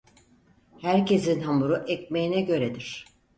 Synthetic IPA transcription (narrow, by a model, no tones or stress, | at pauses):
hæɾce̞sinɦamuɾuʔɛc̚mejinɛɟø̞ɾed̪iɾ̝̥